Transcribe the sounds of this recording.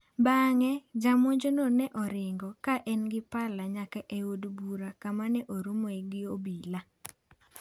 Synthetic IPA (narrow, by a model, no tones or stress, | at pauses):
baŋɛd͡ʒamoɲd͡ʒononɛʔɔɾɪŋɡɔkaʔɛnɡɪpalaɲakaʔeodbuɾakamanɛʔoɾomoɛɡɪobila